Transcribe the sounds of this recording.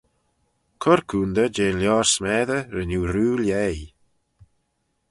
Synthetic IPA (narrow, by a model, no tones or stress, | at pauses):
kʰʊɾkʰuːnd̪əd͡ʒeːnljɔːɹsmɛːðəɾənuːɾuːljɛj